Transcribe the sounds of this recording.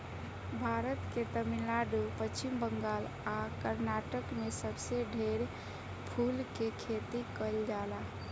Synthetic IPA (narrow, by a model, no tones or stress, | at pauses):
bʱaɾət̪ket̪əmilaɖupət͡ʃimbəŋɡal | akəɾnaʈəkmesəbseɖʱeɾ | pʰulkekʰet̪ikəld͡ʒala